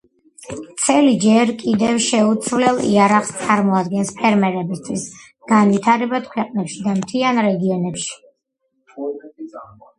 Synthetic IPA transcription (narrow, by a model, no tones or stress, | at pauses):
t̪sʰɛlid͡ʒɛɾkʼid̪ɛvʃɛut̪sʰvlɛlˠḭaɾaχst̪sʼaɾmɔad̪ɡɛnspʰɛɾmɛɾɛbist̪ʰwis | ɡ̥anvit̪ʰaɾɛbad̪̥kʰwɛqʼnɛpʃid̪amt̪ʰianɾɛɡiɔnɛpʃi̥